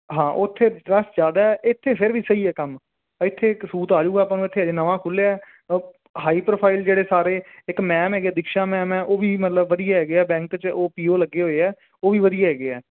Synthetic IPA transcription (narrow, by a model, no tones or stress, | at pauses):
ɦãːʔʊt̪ʰːeːɾəsd͡ʒjaːd̪aːɛʔɪt̪ʰːeːpʰɪɾʋiːsəiːɛːkəm | ɪt̪ʰːeːksuːt̪aːd͡ʒuːɛːpãːnũːɪt̪ʰːeːd͡ʒeːnəʋãːkʰʊleɛː | ɦaːiːpɾoːpʰaːɪld͡ʒeːɽeːsaːɾeːɪkmɛːmɦɛːɡaːd̪ɪkʃãːmɛ̃ːmɛːʔoːʋiːmət̪ləbːəd̪ijaːɦɛːɡeɛːbɛ̃ːŋkt͡ʃoːpiːoːləɡːeːɦoːeːɛː | oːʋiːʋəd̪ijaːɦɛːɡeɛː